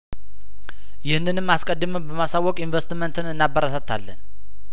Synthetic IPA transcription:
jɪhnːɨnɨmːaskʼəd̪ːɨmɨbəmasawːɔkʼinvəst̪mənt̪ʰɨnɨnːabːəɾasət̪ʰːalːən

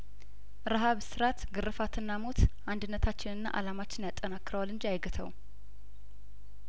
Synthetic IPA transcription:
ɾaɦaβsɨɾat̪ɡɨrɨfat̪ʰɨnːamo̞t̪ʔand̪ɨnːət̪ʰat͡ʃːɪnɨnːa̰ʔa̰lamat͡ʃːɪnjat̪ʼːənakːɾəwalɨnd͡ʒijajɡɨt̪ʰəw

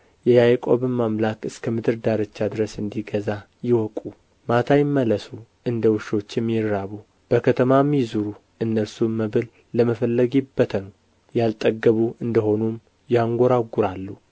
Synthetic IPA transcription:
jɛjajkʼo̞βɨmːamlakɨskʰəmɨd̪ɨɾd̪aɾət͡ʃːad̪ɨɾəsɨnd̪iɡəza | jɪwɔkʼu | mat̪ʰajɪmːələsu | ɨnd̪əwɨʃo̞t͡ʃːɪmjɪɾːaβu | b̥əkʰət̪ʰəmamizuɾu | ɨnːəsumːəβɨlː | əməfəlːəɡibːət̪ʰən | jalt̪ʼəɡəβuɨnd̪əho̞num | jɛaŋɡʷo̞ɾaɡːuɾalːu

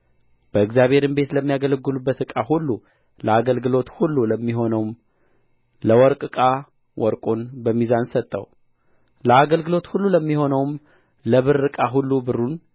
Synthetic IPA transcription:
b̥əɨkzjaβhe̞ɾɨnbe̞t̪ləmːijaɡələɡːɨlubːət̪ɨkʼaɦulːu | ləaɡəlɡɨlo̞t̪hulːuləmːiɦo̞nəwm | ləwɔɾkʼɨkʼa | wʔɔɾkʼonbəmːizansət̪ʼːə̰w | ləaɡəlɡɨlo̞t̪hulːuləmːiho̞nəwm | ləβɨɾːɨkʼaɦulːubɨrːun

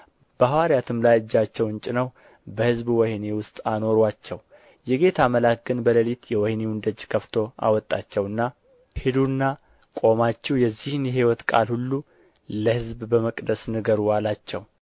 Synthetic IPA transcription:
b̥əhawaɾijat̪ʰɨmlajɨd͡ʒːat͡ʃːɛwɨnt͡ʃʼɪnəw | bəhɨzbwɔhnewʊst̪ʼano̞ɾwat͡ʃːɛw | jɛɡe̞t̪ʰaməlak̚ɡɨnbələlit̪jɛwɔhnewund̪əd͡ʒkʰəft̪ʰo̞ʔa̰wɔt̪ʼːat͡ʃːɛwɨnːa | hɪd̪unːa | kʼo̞mat͡ʃːɛwjɛzːihɨnjɛɦiwɔt̪kʼa̰lhulːu | ləhɨzbbəməkʼd̪əsnɨɡəɾuwalat͡ʃːɛw

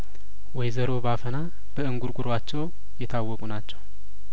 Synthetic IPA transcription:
wɔjzəɾo̞bafəna | b̥əɨŋɡuɾɡuɾwat͡ʃːɛw | jɛt̪ʰawːɔkʼunat͡ʃːɛw

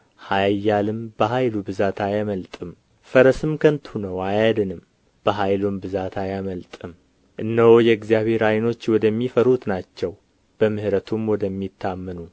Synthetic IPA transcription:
hajjːalɨmb̥əɦajlubɨzat̪ʰajaməlt̪ʼɨm | fəɾəsɨmkʰənt̪hunəwajad̪ɨnɨm | b̥əɦajlumbɨzat̪ʰajaməlt̪ʼɨm | ʔɨnːəwojɛɡzijaβhe̞ɾajno̞t͡ʃːwɔd̪əmːifəɾut̪nat͡ʃːɛw | b̥əmɨhɾət̪ʰumwɔd̪əmːit̪ʰːamːənu

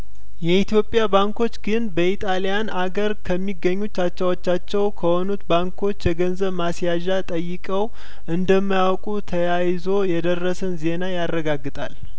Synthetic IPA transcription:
jɛit̪ʰjo̞pʼːjabaŋko̞t͡ʃːɡɨnbəit̪ʼalijanaɡəɾkʰəmːiɡːəɲːut͡ʃːat͡ʃːawot͡ʃːat͡ʃːɛwkʰəho̞nut̪baŋkʰo̞t͡ʃːjɛɡənzəβmasjaʒat̪ʼəjːɨkʼəw | ʔɨnd̪əmːajawkʼut̪ʰəjajzo̞jɛd̪ərːəsɨnze̞najarːəɡaɡːɨt̪ʼa̰l

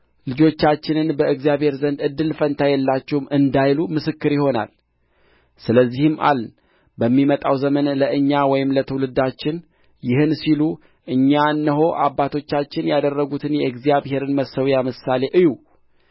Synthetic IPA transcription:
lɨd͡ʒo̞t͡ʃːat͡ʃːɪnɨnbəɨɡzijaβhe̞ɾzənd̪ɨd̪ːɨlfənt̪ʰajɛlːat͡ʃːɛwmɨnd̪ajlumɨsɨkːɨɾjɪho̞na̰l | sɨləzːihɨmʔa̰ln | bəmːimət̪ʼawzəmənləʔɨɲːawɔjɪmlət̪ʰəwlɨd̪at͡ʃːɪn | jɪhɨnsilu | ʔɨɲːanːəɦo̞ʔa̰bːat̪ʰo̞t͡ʃːat͡ʃːɪnjad̪ərːəɡut̪ʰɨnjɛɨɡzijaβhe̞ɾɨnməsəwjamɨsale̞ʔɨju

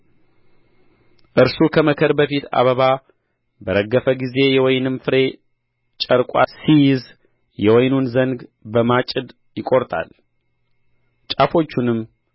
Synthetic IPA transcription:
ʔɨɾsukʰəməkʰəɾbəfit̪ʰa̰βəβa | bəɾəɡːəfəɡize̞jɛwɔjnɨmfɨɾe̞ | t͡ʃʼəɾkʷʼa̰sijɪz | jɛwɔjnunzəŋɡbəmat͡ʃʼːɪd̪ | jɪkʼo̞ɾt̪ʼa̰l | t͡ʃʼafo̞t͡ʃːunɨmː

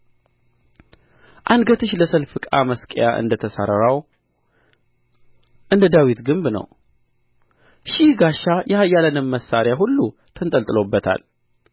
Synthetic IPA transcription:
ʔand̪ɡət̪ʰɨʃləsəlfɨkʼa̰məskʼjaʔɨ̰nd̪ət̪ʰəsa̰ɾəɾaw | ʔɨnd̪əd̪awit̪ɡɨmbnə̰w | ʃihɡaʃːajɛjalənɨmːəsːaɾjaɦulːu | t̪ʰənt̪ʼəlt̪ʼɨlo̞bːət̪ʰa̰l

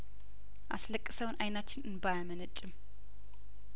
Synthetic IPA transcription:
ʔa̰sləkʼːɨsəwnʔajnat͡ʃːɪnɨnbajamənət͡ʃʼːɪm

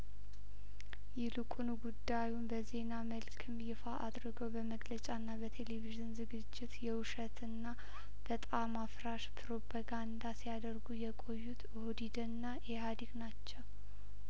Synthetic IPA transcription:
jɛlɨkʼunuɡud̪ːajunbəze̞naməlkʰɨmjɪfaʔad̪ɾɨɡəwbəməɡlət͡ʃʼaɨnːabət̪ʰe̞leviʒɨnzɨɡɨd͡ʒːɪt̪jɛwuʃət̪ʰɨnːa | b̥ət̪ʼamafɾaʃpʰɨɾo̞pʰaɡand̪asijad̪əɾɡujɛkʼo̞jːut̪ | od̪id̪ənːajɛhad̪iɡnat͡ʃːɛw

